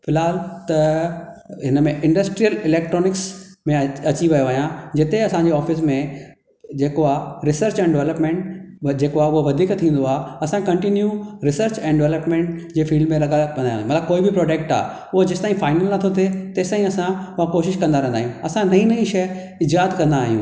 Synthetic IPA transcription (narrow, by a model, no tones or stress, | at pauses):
fɪlaːlt̪ɐ | ɦɪnəmẽʔɪ̃ɳɖɐsʈɾijəlɪleːk̚ʈɾoːnɪksmẽɐt͡ɕiʋɐjoʋɐɦijãd͡ʑɪt̪eɐsãɲd͡ʑeːɔːfɪs̬mẽ | d͡ʑeːkoaːɦɾɪsəɾt͡ɕɛ̃ːɳɖɪʋɛləpmẽɳʈd͡ʑeːkoaɦʊɦoʋɐd̪ʱiːkt̪ʰĩːnd̪oaːɦeɐsãkɐ̃ɳʈinjuɾɪsəɾt͡ɕɛ̃ːnɖɪʋɛləpmẽːɳʈd͡ʑeːfiːɖmẽɾɐɡaʋɐ̃nd̪aːj̰̪̃mɐt̪ləb̚koːibʱɪpɾɔːɖeːk̚ʈa̰ː | ʊɦod͡ʑɐsɪt̪aːĩfaːɪnəlnɐt̪ʰot̪ʰet̪ɐːst̪aːɦĩɐsãʊakoːʃɪʃkɐ̃nd̪aɾɐ̃ɦnaːijũɐsãnɐɦĩnɐĩʃɐ | ɪd͡ʑaːt̪kɐ̃nd̪aːɦijṵ̃